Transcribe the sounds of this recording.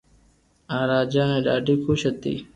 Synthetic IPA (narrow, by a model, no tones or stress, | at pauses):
ãːɾaːd͡ʒaːneːɖaːɖiːkʰuɕɐt̪ḭː